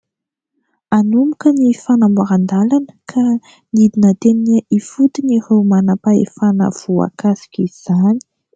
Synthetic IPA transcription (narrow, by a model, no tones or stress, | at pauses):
anumukənifanamaɾand̪alanə̥kʰa | nid̪inət̪eminəʔifut̪inirewmanapaḛfanə̰v̥ua̰kasi̥kʲiz̥ani̥